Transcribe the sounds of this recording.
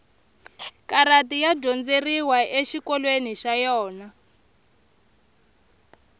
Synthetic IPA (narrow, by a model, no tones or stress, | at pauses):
kaɾatijaɟɔnd͡zeriwaʔeʃikɔlweniʃajɔːna